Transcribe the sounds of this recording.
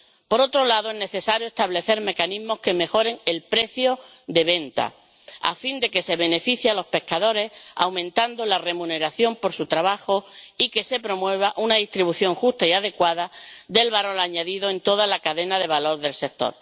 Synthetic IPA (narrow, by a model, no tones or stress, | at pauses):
po̞ɾo̞t̪ɾolaðoene̞θe̞saɾjoest̪aβle̞θe̞ɾme̞kaniɦmo̞ske̞me̞xo̞ɾe̞ŋe̞lpɾe̞θjo̞d̪e̞βẽ̞nt̪a̰ | a̰find̪e̞ke̞se̞βe̞ne̞fiθjealo̞spe̞hkaðo̞ɾe̞sa̰wmẽ̞nt̪and̪olare̞mũne̞ɾaθjo̞mpo̞ɾsut̪ɾaβaxo̞ike̞se̞pɾo̞mwe̞β̞aʔunaðist̪ɾiβuθjo̞ŋxust̪aiaðe̞kwaðad̪e̞lβaɾo̞laɲaðiðo̞e̞nt̪o̞ðalakaðe̞naðe̞β̞alo̞ɾðe̞lse̞k̚t̪o̞̰ɾ